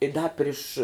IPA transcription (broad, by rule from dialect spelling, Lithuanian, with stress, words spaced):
ɪ ˈdɐ ˈpʲrʲɪʃ